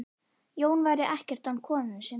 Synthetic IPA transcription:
joːwnvaːjɾɪʔɛhcɛr̥t̪ankʰɔːnɪnʏsɛ

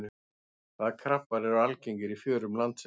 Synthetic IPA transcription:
ʏ | θaðkʰɾahpaɾɛɾalceɲcɪɾifjœːɾʏmlant̪s

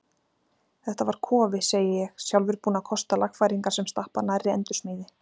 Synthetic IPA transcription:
θɛht̪avaɾ̥kʰɔːvɪseːjɪjɛɣsjawlvɪɾpuːnakʰɔst̪alaxfajɾiŋkasɛmst̪ahpanaɾɪɛ̰nt̪ʏ̥smiːðɪ

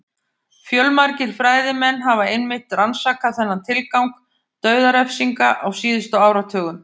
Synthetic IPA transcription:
fjœlmaɾcɪɾ̥fɾaːjðɪmɛnːɦavaɪnmɪht̪ransaːkaθɛnːant̪ʰɪlkawŋk | t̪œːɥðaɾɛfsiŋkaʔawsiːðʏst̪ʏawɾat̪ʰœːɣʏm

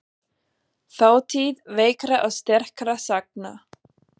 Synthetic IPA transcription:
θawt̪ʰiːðveːjkɾaʔawst̪ɛr̥kɾasak̚na

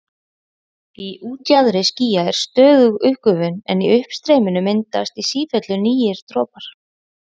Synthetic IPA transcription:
iʔuːt̪jaðɾɪsciːjaɛɾ̥st̪œːɣʏɣʏhkʏvʏnɛniʏhpst̪ɾejmɪnʏmɪnt̪ast̪isiːfœt̪lʏniːjɪɾ̥t̪ɾɔːpaɾ̥

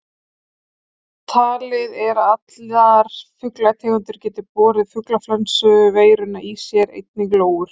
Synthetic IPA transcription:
t̪ʰaːlɪðɛɾat̪laɾ̥fʏklat̪ʰɛːɣʏnt̪ʏɾ̥cɛːt̪ɪpɔːɾɪðfʏklaflansœɣʏveːjɾʏnaʔisjɛɾḛjt̪̚nɪkloːwʏɾ̥

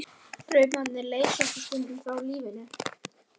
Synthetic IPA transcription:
pɾœːɥpmannɪɾleːjkast̪ɪ̥st̪ʏnt̪ʏmθawliːvɪnʏ

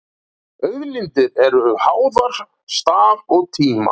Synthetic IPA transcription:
œɥðlɪnt̪ɪɾɛɾʏʏhaːwðaɾ̥ | st̪aːvɔɣt̪ʰiːma̰

